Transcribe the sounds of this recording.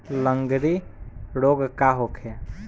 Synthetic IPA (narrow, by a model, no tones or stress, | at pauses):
lə̃ŋɡɾiɽoːɡkaɦokʰja